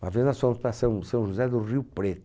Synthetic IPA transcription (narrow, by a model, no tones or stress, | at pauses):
avẽnd̪asõmt̪asɐ̃w̃sɐ̃w̃ʒuzɛd̪ʊʁiupɾet̪ʊ̥